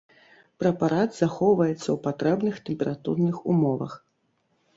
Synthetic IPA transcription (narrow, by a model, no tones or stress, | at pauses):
pɾɐpaɾad̪z̥axɔwvɐjɛt̪sːɐwpat̪ɾɛbnɨxt̪ɛmpʲɛɾat̪ṵrnɨxumɔvɐ̰x